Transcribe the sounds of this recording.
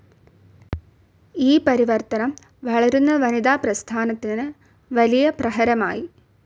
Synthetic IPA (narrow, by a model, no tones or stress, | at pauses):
iːpɐɾiʋɐrt̪ɐnɐm | ʋɐɭɐɾunːɐʋɐnid̪aːprɐst̪ʰaːnɐt̪ːinɨ | ʋɐlijɐprɐɦɐɾɐma̰ːji